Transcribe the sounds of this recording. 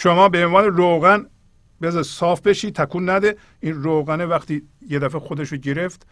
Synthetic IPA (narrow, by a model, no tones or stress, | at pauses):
ʃomɒːbeenvɑːneɾoɣæn | bezɑisɒːfbe̞ʃiːt̪ʰækʰuːnːæd̪e | iːnɾoːɣænevæxt̪iː | jed̪æfexod̪eʃoɟeɾeft̪